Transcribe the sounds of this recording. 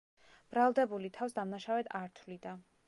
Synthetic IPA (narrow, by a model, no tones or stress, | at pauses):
b̥ɾalˠd̪ɛbulit̪ʰafsd̪amnaʃavɛt̪ʰaɾt̪ʰvlid̪a